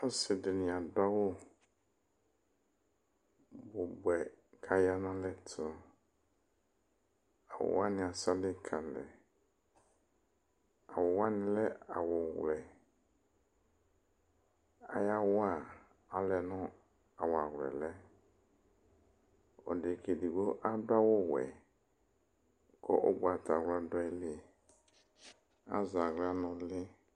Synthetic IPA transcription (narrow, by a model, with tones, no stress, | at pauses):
o˦sɪ˨dɪ˨nĩ˨a˨da˦wo˦ | bʊ˨bwɛ˨kʰa˦ja˦nã˦lɛ˦tʰʊ˦ | a˨wo̰˨wa˦nɪ̃˨a˨sa˦lɪ˦kʰa˨lɛ̰˨ | a˨wɔ˨wa˦nɪ̃˦lɛ˦a˨wɔ˨wlɛ˨ | a̰˦ja˦wʊ˦a˦˨ | a˨lɛ˨nʊ̃˦ | a˨wa˨ɣlɛ̰˨lɛ˦ | ɔ̰˨dɪ˨ke˨di˨ɡ͡bo˦ʔa˦da˦wʊ˦wɛ̰˨ | kɔ̰˦ʔo̰˦ɡ͡ba˨ta˨ɣla˦dɔ˦i˦lɪ˦ | a̰˦za˨ɣla˦nɔ̃˨lɪ˦